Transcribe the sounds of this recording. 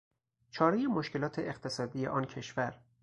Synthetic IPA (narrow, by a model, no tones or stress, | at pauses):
t͡ʃʰɒːɾejemoʃke̞lɒːt̪ʰe̞ʔeqt̪ʰe̞sɒːd̪iːjḛʔɒːncʰe̞ʃvæɾ